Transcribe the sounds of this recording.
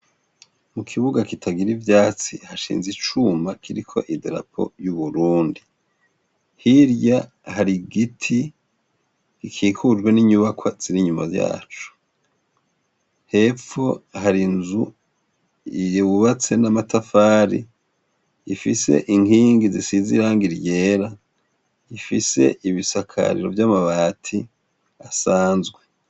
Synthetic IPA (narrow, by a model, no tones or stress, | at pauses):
mukʰiβuɡakitʰaɡiɾivjaːt͡sḭhaʃḭːnzit͡ʃumakʰiɾikʰo̞̰ʔideɾa̰pʰo̞̰juβuɾuːndi | hiɾja | haɾiɡitʰi | ikʰiːkʰud͡ʒɡwe̞niɲuβakwaz̥iɾiɲumazja̰ːt͡ʃu̥ | he̞fo̞haɾinzu | iwuβat͡se̞namatʰafaːɾḭ | ifise̞̰ʔiŋhiːŋɡizisizḭɾaːŋɡiɾje̞ːɾa | ifise̞̰ʔiβisakʰa̰ɾḭɾo̞̰vjamaβaːtʰi | asaːnzɡwe